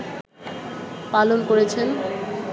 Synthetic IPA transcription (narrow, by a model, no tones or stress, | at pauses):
palonkoɾet͡ɕʰen